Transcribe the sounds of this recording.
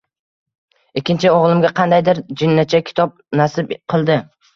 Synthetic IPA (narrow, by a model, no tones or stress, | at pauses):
ɪkʲʰːɪnt͡ʃʰɪoʁlˠɪmɡʲaqʰɑnd̪ajd̪ɪɾd͡ʒɪnːat͡ʃʰakʲʰɪ̥t̪ʰɒb̚nasɪbqʰɨlˠd̪ɪ